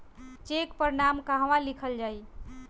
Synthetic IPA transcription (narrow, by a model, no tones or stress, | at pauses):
t͡ʃekpəɾnamkaɦʋalikʰəld͡ʒaj